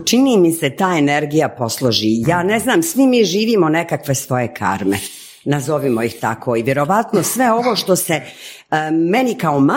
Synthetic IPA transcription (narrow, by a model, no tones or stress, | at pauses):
t͡ʃiniːmiset̪aːeneɾɡijapo̞slˠoʒijaːneznaːmsʋimiːʒiːʋiːmonekakʋe̞sʋo̞je̞kʰa̰ːɾmḛ | nazoʋimojixt̪akʰo̞iʋje̞ɾo̞ʋat̪nosʋe̞o̞ʋoʃt̪ose | menikaoma